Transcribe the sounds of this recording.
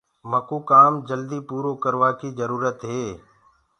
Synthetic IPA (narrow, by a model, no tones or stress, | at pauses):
məkuːkaːmd͡ʒəld̪iːpuːɾoːkəɾʋaːkiːzəɾuːɾət̪ɦeː